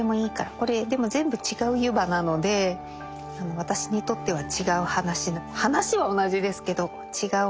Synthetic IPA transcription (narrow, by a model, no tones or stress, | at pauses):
emo̞iːkaɾako̞ɾe̞d̪e̞mo̞zẽ̞mbɯ̟t͡ɕiɡaɯ̟jɯ̟banano̞d̪e̞ | ano̞β̞at̪aɕi̥ɲ̟it̪o̞t̪ːe̞β̞at͡ɕiɡaɯ̟hanaɕinohanaɕiβao̞naʑid̪e̞sɨ̥ke̞d̪o̞ | t͡ɕiɡaɯ